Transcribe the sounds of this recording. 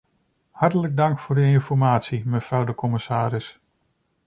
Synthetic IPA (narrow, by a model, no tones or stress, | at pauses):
hɑɹtələɡ̚dɑŋkfʊːɹdəɪnfɔɹmaːtsiməvrɑwdəkɔmɪsaːɾɪs